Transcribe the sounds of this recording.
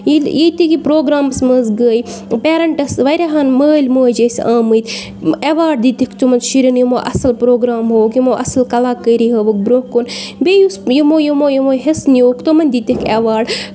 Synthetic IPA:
jijit̪ikipɾoːɡɾaːmɐsməzɡəːjpeːɾɐɳʈɐsʋɐɾʲaɦaːnməːlʲmoːjd͡ʒesʲãːmɨt̪ʲ | eʋaːɖd̪iːt̪ikt͡ʃ̪umɐnzʃiɾʲinjimo̰ːʔɐ̰sɐlpɾoːɡɾaːmɦoːkjimoːʔɐsɐlkɐlaːkːəːɾiɦɐːʋuk̚bɾoːkonbeːjusjimoːjumoːjimoːɦesnijoːkt̪omɐnʲd̪iːt̪ikʰeːʋaːɖ

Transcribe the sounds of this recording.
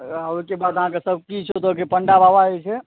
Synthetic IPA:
aoikebad̪əɦãkesəb̚kit͡ʃʰot̪okepəɳɖabʱaʋaɛt͡ʃʰɛ

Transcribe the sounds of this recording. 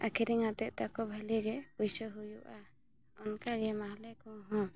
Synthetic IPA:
akʰiɾiŋat̪ɛʔ̚t̪akɔbʱəliɡɛujsəɦujuʔa | ɔnkaɡɛmaɦlɛkɔɦɔ̃

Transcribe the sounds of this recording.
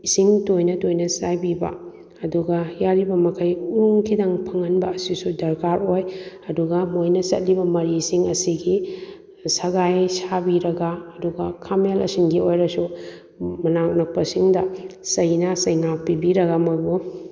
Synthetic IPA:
isiŋtojnɐtojnɐsajbibɐ̰ | ɐduɡɐjaɾibɐmɐkʰɐjuɾuŋkʰidɐŋpʰɐŋɐnbɐːsisudɐɾkaɾojɐduɡɐmojnɐsɐ̰t̚libɐmɐɾisiŋɐsiɡi | sɐɡajsabiɾɐɡɐːduɡɐkʰamelɐ̰siŋɡiojɾɐsu | mɐnaknɐk̚pɐsiŋdɐsɐjnɐsɐjŋapibiɾɐɡamojbu

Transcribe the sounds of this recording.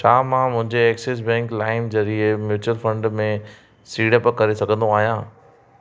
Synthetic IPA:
t͡ʃʰaːmãːmʊ̃ɦɪ̃ɲd͡ʑeɛːkses̬bɛ̃ːŋklaːɪnd͡ʑɐɾiemjuːt͡ɕʊəlfə̃ɳɖmẽ | siːɽəpkɐɾesɐɡʱə̃nd̪õaːɦijãː

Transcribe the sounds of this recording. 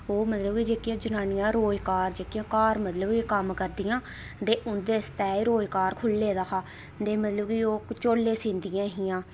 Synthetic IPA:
oːmət̪ləbkid͡ʒeːkjãːd͡ʒənaːnɪjãːɾoːjkaːɾd͡ʒeːkɪjãːkaːɾmət̪ləbkikəmkəɾd̪ɪjãː | d̪eːʔʊnd̪eːst̪ɛːiɾoːjkaːɾkʰʊlːeːd̪aːkʰaː | d̪eːmət̪ləbkioːt͡ʃoːlːeːsĩːnd̪ɪjãːɦɪjãː

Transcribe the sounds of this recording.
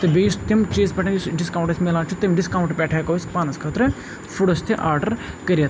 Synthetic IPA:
t̪ɐbeːst̪imt͡ʃeːspʲɛʈʰːɖiskaːwɳʈɐsʲmelaːt͡ʃʰut̪imɖiskaːwuɳʈpʲɛːʈʰaːkɐːspaːnɐskʰɐːt̪ɾɐ | fuɽɐst̪ʰiʔaːɾɖɐɾkɐɾijɐt̪

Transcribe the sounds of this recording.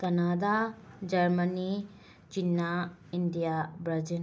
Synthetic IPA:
kɐnad̪ad͡ʒɐɾməni | t͡ʃinːaind̪ijabɾɐd͡ʒən

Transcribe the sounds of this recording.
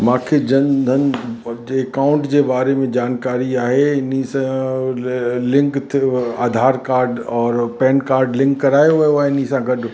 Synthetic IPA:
mãːkʰed͡ʑɐ̃nd̪ʱənɪ̆ekãːʊ̃ɳʈd͡ʑebaːɾemẽd͡ʑaːnkaːɾiaːɦeɪnisã | lɪ̃ŋkt̪ʰaːd̪ʱaːɾkaːɾɖɔːɾpɛːnkaːɾɖlɪ̃ŋkːɐɾaːjoɐaɪnisãɡɐɗ

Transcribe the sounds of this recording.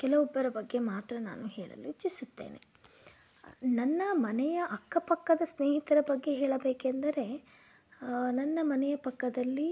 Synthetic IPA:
kɛlɐʋɔbːɐɾɐbɐɡːe̞maːt̪ɾɐna̰ːnuɦeːɭɐ̰luʋit͡ʃːisut̪ːḛːnḛ | nɐnːɐmɐnɛjɐʔɐkːɐpɐkːɐd̪ɐsneːɦit̪ɐɾɐbɐɡːe̞ɦeːɭɐbeːkend̪ɐɾe̞ | nɐnːɐmɐnɛjɐpɐkːɐd̪ɐlːi

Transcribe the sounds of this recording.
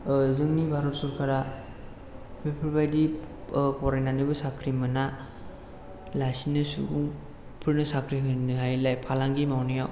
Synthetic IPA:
zɯŋnibʱaɾɔt̚suɾkʰaɾa | pʰepʰuɾbajdi | pɔɾajnanibɯsakʰɾimɯna | lasinɯsṵuŋ | pʰɯɾnɯsakʰɾiɦɯnɯɦajlajpʰalaŋɡimawnijaw

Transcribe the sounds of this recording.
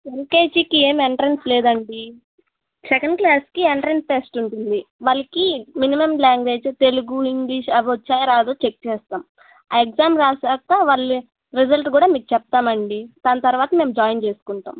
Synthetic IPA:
ʋenke̞ːd͡ʒikieːmeɳʈɐɾensleːd̪ɐɳɖi | sɛkɐɳɖklaːskieɳʈɐɾɐnsʈeːsʈuɳʈund̪iʋɐlɐkiminimɐmlaːŋɡʋe̞ːd͡ʒt̪e̞luɡuiŋɡliʃɐʋot͡ʃːaːjɾaːd̪oːt͡ʃek̚t͡ʃɛːst̪aːm | aːekzaːmɾaːsaːkːaːʋaɭːi | ɾid͡ʒɐlʈkuːɽaːmiːkut͡ʃɛp̚t̪aːmɐɳɖid̪aːnɐt̪ɐɾuʋaːt̪ɐme̞ːmd͡ʒaːjnt͡ʃe̞ːsu̥kuɳʈa̰ːm

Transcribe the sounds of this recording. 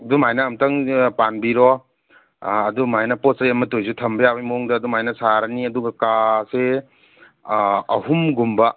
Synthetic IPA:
ɐdumajnɐːmtɐŋpanbiɾɔ | ɐdumajnɐposɐjɐmɐtojzutʰɐmbɐjabɐjmoŋdɐːdumajnɐsaɾɐniɐduɡɐkase | ɐɦumɡumbɐ

